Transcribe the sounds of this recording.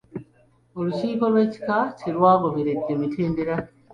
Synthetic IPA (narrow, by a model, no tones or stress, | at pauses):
oluciːpalweci̥kaciɾwaːɡoβiɾedːemitʰeːndiɾa